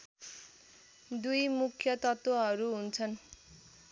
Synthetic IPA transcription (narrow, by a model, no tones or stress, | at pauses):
d̪ujmukʰjʌt̪ʌt̪wʌɦʌɾuɦunt͡sʰʌn